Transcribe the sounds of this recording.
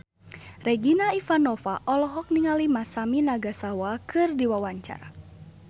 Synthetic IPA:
rɛɡinaifanɔfaʔɔlɔɦɔk̚niŋalimasaminaɡasawakɨrdiwawaɲt͡ʃa̰ɾa̰

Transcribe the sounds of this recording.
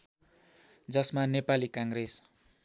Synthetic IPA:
d͡zʌsmanepalikaŋɡres

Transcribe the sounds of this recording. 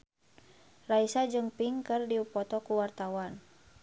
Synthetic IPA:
raisad͡ʒɨŋpiŋkɨrdiupɔt̪ɔkuwart̪awan

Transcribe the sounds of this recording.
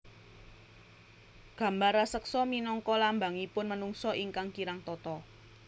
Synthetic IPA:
ɡ̥ä̤mbaɾasəksɔminɔŋkɔlambaŋipʊnmənuŋsɔʔiŋkaŋkiɾaŋt̪ɔt̪ɔ

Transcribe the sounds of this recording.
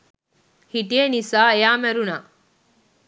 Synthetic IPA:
hiʈienisaːejaːmæɾunaː

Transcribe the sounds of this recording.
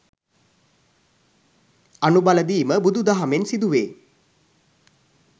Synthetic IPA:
anubaləd̪iːməbud̪ud̪aɦamensid̪uʋeː

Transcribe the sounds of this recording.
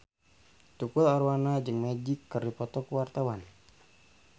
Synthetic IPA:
t̪ukulaɾwanad͡ʒəŋmad͡ʒɪkːɨrdipɔt̪ɔkuwart̪awan

